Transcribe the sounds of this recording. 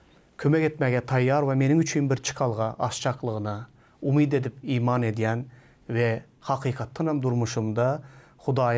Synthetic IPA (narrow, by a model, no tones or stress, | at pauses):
kʲʰømɛkʲet̪mɛɡʲɛt̪ʰɑjːɑɾvɛmenɪŋyt͡ʃʰynbɪɾt͡ʃʰə̥qʰɑlˠʁɑʔɑst͡ʃʰɑqlˠəʁənɨ | umid̪ed̪ɪpiːmɑned̪ɪjʲɛn | vɛ | hɑqʰiːqʰɑt̪ːɨnɛmd̪uɾmuʃumd̪ɑ | χʊd̪ɑː